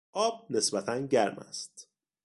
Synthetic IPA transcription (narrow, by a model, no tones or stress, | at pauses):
ʔɒːb̥̚ne̞sbæt̪ʰænɟæɾmæ̰st̪